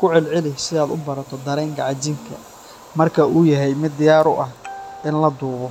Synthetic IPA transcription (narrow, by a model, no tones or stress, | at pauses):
kʰʊʕɪlʕɪlɪsɪaːd̪ʊbɐɾɐt̪ʰɔd̪ɐɾɛːŋkʰɐʕɑt͡ʃɪŋkʰɐ̰ | mɐrkʰɐuːjɐɦɛjmɪd̪ɪjaːɾʊʔɐhɪnlɐd̪uːɣɔ